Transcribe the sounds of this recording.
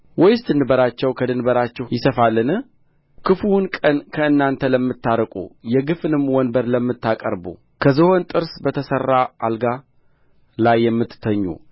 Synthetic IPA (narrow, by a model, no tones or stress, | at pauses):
wɔjɪsd̪ɨnɨbəɾat͡ʃːɛwkʰəd̪ɨnbəɾat͡ʃːɛjɪsəfalːɨnɨh | kʰɨfuwnkʼənkʰəɨnːant̪ʰələmːɨt̪ːaɾkʼṵjɛɡɨfɨnɨmːwɔnbəɾləmːɨt̪ːakʼə̰ɾbṵ | kʰəzɨho̞nt̪ʼɨɾsbət̪ʰəsərːaʔa̰lɡa | lajːɛmːɨt̪t̪ʰːəɲːṵ